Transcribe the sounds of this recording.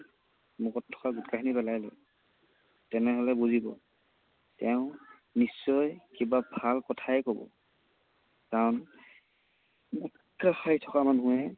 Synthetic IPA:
mukɔtʰːɔ̥kaɡutkakʰinipɛlajlɛ̰ | tɛnɛɦɔlɛbuzibɔ̰ | tɛʊ̃ | nisːɔjkibabʱalkɔtʰaɛkobɔ̰ | kaɹɔn | ɡut | kaxajtʰɔkamanuɛ

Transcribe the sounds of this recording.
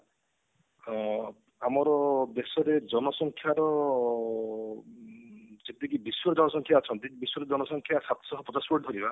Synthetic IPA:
amɔɾɔd̪esɔɾed͡ʒɔnɔsɔŋkʰjaɾɔ | d͡ʒet̪ekibiswɔɾed͡ʒɔnɔsɔŋkʰjaːt͡ʃʰɔnt̪ikibiswɔɾed͡ʒɔnɔsɔŋkʰjasat̪ɔ̥sɔɦɔpɔt͡ʃaspɔʈd̪ʱɔɾiba

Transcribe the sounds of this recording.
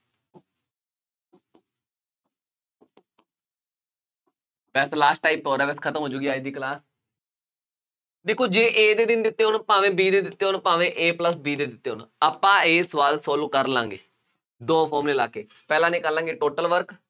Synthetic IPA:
bɛːslaːsʈːaːiːpːɔːɾɛːbɛːskʰət̪əmɦoːd͡ʒuːɡiːaːiːd̪iːklaːs | d̪eːkʰːoːd͡ʒẽːʔeːd̪eːd̪ɪnd̪ɪt̪ːeːɦoːnpãːʋẽːbiːd̪eːd̪ɪt̪ːeːɦoːnpãːʋẽːʔeːpləsbiːd̪eːd̪ɪt̪ːeːɦoːnaːpãːeːsʋaːlsɔːlũːkəɾlã̰ːŋɡeː | d̪õːpʰoːmleːlaːkeː | pɛːlãːnĩːkəɾlãːŋɡeːʈoːʈəlʋəɾk

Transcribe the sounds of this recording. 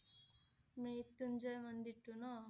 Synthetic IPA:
miit̪ːuɲd͡ʒɐjmɐnd̪iʈːuno

